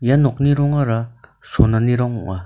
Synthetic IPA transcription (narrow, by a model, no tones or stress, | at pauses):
janɔk̚niɾɔŋaɾasonaniɾɔŋɔ̰ŋa